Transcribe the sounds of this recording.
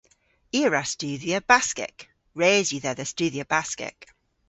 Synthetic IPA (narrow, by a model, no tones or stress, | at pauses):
iəɹast͡ʃʉːðiəbaskɪ̰k | ɹeːzjəðəðəst͡ʃʉːðiəbaskɪ̰k